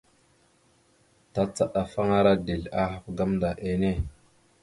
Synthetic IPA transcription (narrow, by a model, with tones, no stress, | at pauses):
ta˨t͡sa˨ɗa˨fa˦ŋa˦ɾa˦de˨la˦ha˨pɡa˦mda˨ʔe˨ne˦˨